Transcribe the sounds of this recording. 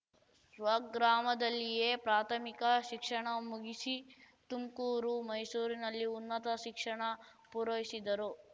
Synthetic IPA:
sʋɐɡɡɾaːmɐd̪ɐlːijeːpɾaːt̪ʰɐmikɐʃikʂɐɳɐmuɡisi | t̪umkuːɾumɐjsuːɾinɐlːiunːɐt̪ɐʃikʂɐɳɐ | puɾɐʋisid̪ɐɾu

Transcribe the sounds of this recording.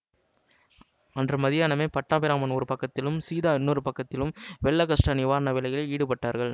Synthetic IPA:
ɐndrɯmɐðɪjaːnɐmeːpɐʈːaːpɪɾaːmɐnɔɾɯpɐkːɐt̪ːɪlɯmsiːðaːɪnːuːɾɯpɐkːɐt̪ːɪlɯmʋɛɭːɐkɐʂʈɐnɪʋaːɾɐnɐʋɪlɐjɪlɐɪiːɽɯpɐʈːaːɾɣɐɭ

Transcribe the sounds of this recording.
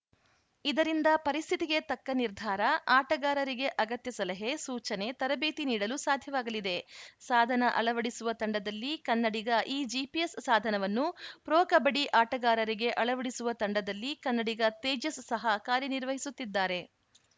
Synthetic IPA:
id̪ɐɾind̪ɐpɐɾist̪ʰit̪iɡe̞t̪ɐkːɐniɾd̪ʱaːɾɐaːʈɐɡaːɾɐɾiɡe̞ʔɐɡɐt̪jɐsɐlɐɦe̞suːt͡ʃɐne̞t̪ɐɾɐbeːt̪iniːɽɐlusaːd̪ʱjɐʋaːɡɐlid̪e̞saːd̪ʱɐnɐʔɐ̰ɭɐʋɐɽisuʋɐt̪ɐɳɖɐd̪ɐlːikɐnːɐɽiɡɐʔiːd͡ʒipiessaːd̪ʱɐnɐʋɐnːupɾoːkɐbɐɽiʔaːʈɐɡaːɾɐɾiɡe̞ʔɐɭɐʋɐɽisuʋɐt̪ɐɳɖɐd̪ɐlːikɐnːɐɽiɡɐt̪eːd͡ʒɐsːɐɦɐkaːɾjiniɾʋɐɦisut̪ːid̪ːaːɾe̞

